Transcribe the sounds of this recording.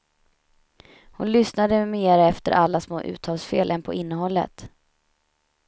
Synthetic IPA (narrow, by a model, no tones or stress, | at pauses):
hʊnlʏsnad̪əmeːɾaɛft̪ə̰ɾʔalːasmo̰ːʔʉ̟̰ːt̪ʰɑːlsfeːlʔɛnpʰɔʔɪnːəɦɔlːə̰t̪